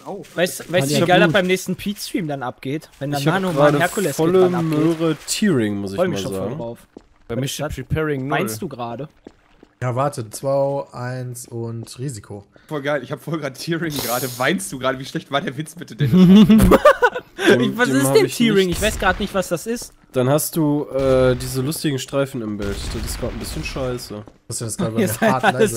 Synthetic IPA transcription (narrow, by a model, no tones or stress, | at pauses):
ʔoʊvaɪsvaɪviɡaldab̥aɪmnɛːçstn̩pʰiːtstɹ̥iːmdanʔap̚ɡ̥eːtvɛndamaːnʊŋʁaːdəɛɐfkʰulɛsɔləamøːʁətʰiːʁɪŋmʊsɪçɔʏəmɪaʃoːznfaːɔːɡŋʁaʊf | aapipʰɛːʁɪŋmaɪnstd̥uːɡʁaːdə | jaːɐvaɐtət͡sv̥aɪʔaɪnsʊntʁiːzikʰo | fɔlɡaɪlɪçhaːbə̥fɔlɡʁaːdətʰiːʁɪŋɡʁaːdəvaɪnstd̥uːɡʁaːɾəviːʃlɛçtv̥aːɐdeːɐvɪt͡sb̥ɪtədɛn | ɪvaseːɪhaɛçtʰiːʁɪŋɪçv̥aɪsɡ̥ʁaːdənɪçtv̥asd̥asɪst | d̥anhast̚d̥uːʔɛːdiːzəlʊstɪɡŋ̩ʃtʁ̥aɪfn̩ɪmbɛltd̥aɪsɡ̥ʁaːtn̩bɪsçənʃaɪsə | astːasɡ̥aːɾəbaːlaəs